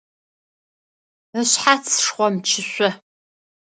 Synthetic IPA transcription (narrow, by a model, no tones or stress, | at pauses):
əɕħat͡sʰʂχʷɔmt͡ʃʰɪɕʷɔ